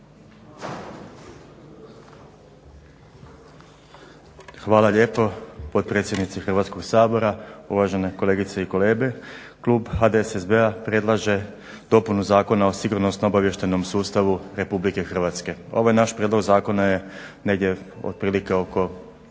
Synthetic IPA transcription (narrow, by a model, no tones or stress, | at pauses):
xʋaːlaʎe̞ːpo̞po̞d̪̚pɾe̞ːt̪sʲjed̪nit̪sixr̩ʋat̪sko̞ɡsaːbo̞ɾauʋaʒe̞neko̞le̞ːɡit̪seiko̞le̞ːɡe̞kluːbhxad̪esezbeapɾe̞d̪lˠaʒe̞ | d̪̥o̞punuzaːko̞nao̞siɡuɾno̞snoobaʋje̞ʃt̪eno̞msuːst̪aʋuɾe̞publike̞xr̩ʋat̪ske̞o̞̰ʋojnaʃpɾʲjed̪lo̞ɡzaːko̞naje̞ne̞ɡd̪ʲje̞ | o̰d̪̚pɾiːlike̞o̞ko̞